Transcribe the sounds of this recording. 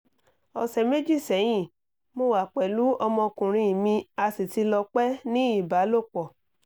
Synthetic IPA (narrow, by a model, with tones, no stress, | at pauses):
ɔ˨sɛ˨me˦d͡ʒi˦˨sɛ˨˦j̃ĩ˦˨ | mo˧wa˨k͡pɛ˨lu˨˦ɔ˧mɔ̃˧kũ˨ɾ̃ĩ˧i˨mĩ˧a˧si˨ti˧lɔ˧k͡pɛ˦nĩ˦i˦˨ba˨˦lo˦˨k͡pɔ˨